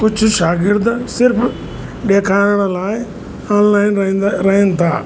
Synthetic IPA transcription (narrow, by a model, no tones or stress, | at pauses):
kʊd͡ʒʰʱʊʃaːɡɪɾd̪sɪɾp | ɗeːkʰaːəɽ̃laːɪ | aːnlaːɪñɾɐɦɪ̃nt̪ʰa̰ː